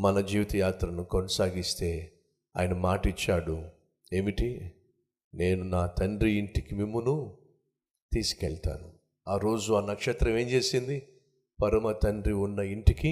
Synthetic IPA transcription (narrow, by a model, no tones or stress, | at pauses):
mɐnɐd͡ʒiːʋit̪ɐjaːt̪ɾɐnukonɐsaːɡist̪e̞ː | a̰ːjɐnɐmaːʈit͡ʃːaːɽu | e̞ːmiʈi | ne̞ːnunaːt̪ɐɳɖɾiiɳʈikimimːunu | t̪iːsi̥kɛɭt̪a̰ːnu | aːɾo̞ːd͡ʒuɐnːɐkʂet̪ɾɐme̞ːɲt͡ʃe̞ːsind̪i | pɐɾɐmɐt̪ɐɳɖɾiunːɐiɳʈiki